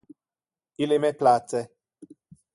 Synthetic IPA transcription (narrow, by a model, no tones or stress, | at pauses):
ilɛmɛplat͡sɛ